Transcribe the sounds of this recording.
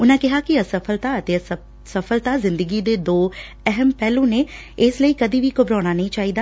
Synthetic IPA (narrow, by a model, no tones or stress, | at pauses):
ʊnãːkɪɦaːkɪəsəpʰəlt̪aːət̪eːə | səpʰəlt̪aːzɪ̃nd̪əɡiːd̪eːd̪oː | ɛɦəmpɛːlũːneː | ɪsləiːkəd̪iːʋiːkʊbɾaːɽ̃aːnəĩːt͡ʃaːɦiːd̪aː